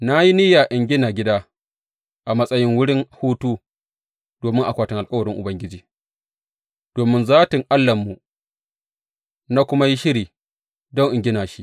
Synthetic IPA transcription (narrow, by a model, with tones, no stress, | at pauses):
na˦ji˦ni˦ja˨ʔɪ˨ŋɡʲɪ˦naː˨ɡʲɪ˦daː˦ | ʔa˨mɐ˦sʼɐ˦jɪ˦ŋwʊ˦ɽɪ˦ŋhuː˦tuː˦ | d̥oː˨mɪ˦ŋʔa˨kʷaː˨tɪ˦ŋʔa˨kʼɐ˦wɐ˨ɽɪ˦ŋʔʊ̰˨bɐ˦ŋɡʲɪ˦d͡ʒiː˨ | d̥oː˨mɪ˦nzaː˦tɪ˨ŋʔa˦lːɐ˨mːu˨ | na˦kʷʊ˦ma˦ji˦ʃɪ˦ɾiː˨ | dɔ˦ŋʔɪ˨ŋɡʲɪ˦naː˨ʃi˦ʔ